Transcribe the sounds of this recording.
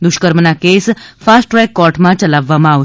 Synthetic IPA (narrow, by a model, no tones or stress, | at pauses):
d̪ʊʃkəɾmənakesfasʈɾɛjkːɔʈmãt͡ʃəlaʋːamãa